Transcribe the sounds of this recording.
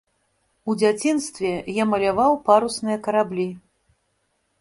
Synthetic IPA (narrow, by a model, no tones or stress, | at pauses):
ud͡zʲat͡sʲinst̪vʲɛjamɐlʲavawpaɾusnɨjɐkɐɾablʲi